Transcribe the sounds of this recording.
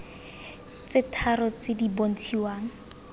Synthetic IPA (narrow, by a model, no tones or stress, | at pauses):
t͡sɪtʰarɔt͡sɪdibon̩t͡sʰiwaːŋ̩